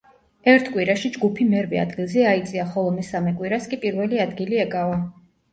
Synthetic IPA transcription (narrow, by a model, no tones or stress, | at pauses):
ɛɾt̪ʰkʼwiɾaʃid͡ʒɡupʰimɛɾvɛa̰d̪ɡilˠzɛait̪sʼiaχɔlˠɔmɛsamɛkʼwiɾaskʼipʼiɾvɛliad̪ɡiliɛkʼava